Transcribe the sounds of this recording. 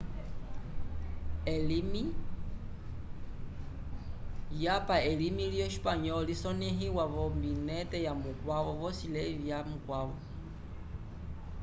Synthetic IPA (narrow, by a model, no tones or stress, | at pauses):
ɛlimi | japaɛlimilijɔʃi̥paɲɔlisɔnɛɦiwaβɔmbinɛtɛjamukwaβɔβɔsilɛvjamukwaβɔ